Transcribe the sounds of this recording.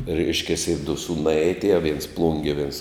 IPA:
ˈrʲɛɪʃʲkʲɛsʲɪ dʊ ˈsuːnɐɪ ɐtʲˈeːjoː ʋʲiɛns ˈplˠʊŋʲɡʲiɛ ʋʲiɛns

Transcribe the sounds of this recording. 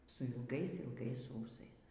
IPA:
sʊ ɪlˠˈɡɐɪs ɪlˠˈɡɐɪs ˈuːsɐɪs

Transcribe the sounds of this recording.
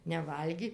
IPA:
nʲɛˈʋɐlʲɡʲɪ

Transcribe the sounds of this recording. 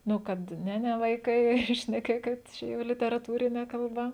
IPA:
ˈnʊ ˈkɐt ˈnʲɛ ˈnʲɛ ʋɐɪˈkɐɪ ʃʲnʲɛˈkʲeːkʲɪt ˈt͡ʃʲɛ jɛʊ lʲɪtʲɛrɐˈtuːrʲɪnʲɛ kɐlˠˈbɐ

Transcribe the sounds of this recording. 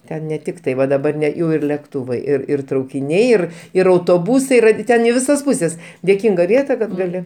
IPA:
ˈtʲɛn nʲɛ ˈtʲɪk tɐɪ ˈʋɐ dɐˈbɐr nʲɛ ˈjɛʊ ɪr lʲɛkˈtuːʋɐɪ ɪr ɪr trɐʊkʲɪˈnʲɛɪ ˈɪr ɪr ɐʊtoːˈbuːsɐɪ iːˈrɐ ˈtʲɛn ɪ ˈʋʲɪsɐs ˈpʊsʲɛs dʲeːˈkʲɪŋɡɐ ˈʋʲiɛtɐ ˈkɐt ɡɐˈlʲɪ

